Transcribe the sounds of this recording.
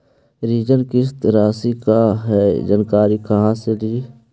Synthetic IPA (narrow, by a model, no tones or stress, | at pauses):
ɾiːd͡ʒənkɪst̪ɾaːsikaɦɛːd͡ʒənkaːɾikɐɦãseliː